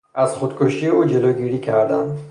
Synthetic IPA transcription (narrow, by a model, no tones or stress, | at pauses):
azχud̪kʰuʃieud͡ʒeloɡiɾikʰaɾd̪an